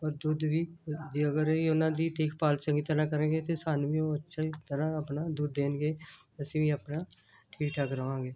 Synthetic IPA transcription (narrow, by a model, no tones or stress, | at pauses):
ɔːɾd̪ud̪ʋiːd͡ʒiːəɡəɾiːʊnãːd̪iːt̪ɪːkʰpaːlsəŋɡiːt̪əɾãːkəɾẽːɡeːt̪eːsaːnʋiːõːətːʃʰaːt̪əɾãːəpnaːd̪uːd̪ːeːnɡeː | əsĩːʋiːəpnaː | ʈʰiːʈʰakɾəʋãːɡeː